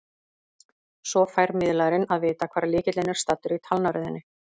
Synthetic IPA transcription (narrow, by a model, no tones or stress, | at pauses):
sɔfaːjɾmɪðlaɾɪnaðvɪːt̪akʰvaːɾlɪːcɪt̪lejnaɾ̥st̪at̪ːʏɾit̪ʰalnaɾʏðɪnːɪ